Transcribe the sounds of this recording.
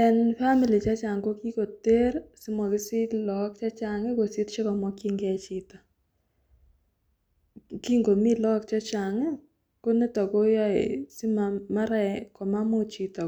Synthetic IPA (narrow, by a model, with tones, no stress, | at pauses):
ɛ˨nfa˦mi˨li˨t͡ʃa˦t͡ʃa˨ŋɡo˦ki˦ko˨te˦ɾsi˦mɔ˨kɪ˦sɪ˦lɔ˦k̚t͡ʃa˦t͡ʃa˨ŋɛ˦ko˨si˦tt͡ʃe˦kɔ˨mɔ˦ki˦ŋɡɛ˦t͡ʃi˦ta˨ | ki˦ŋɡo˨mi˦lɔ˦kt͡ʃa˦t͡ʃa˨ŋe˦ | ko˦ne˦tɔ˨ko˦jɔ˦ɪ̰˨si˦ma˨ma˦ɾa˦˨kɔ˨ma˦mo˦t͡ʃi˨tɔ˨